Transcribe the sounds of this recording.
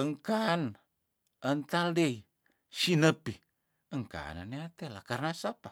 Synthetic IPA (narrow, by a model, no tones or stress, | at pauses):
əŋkan | ənt̪aldei | sinəpi | əŋka̰naneat̪elakarnasapa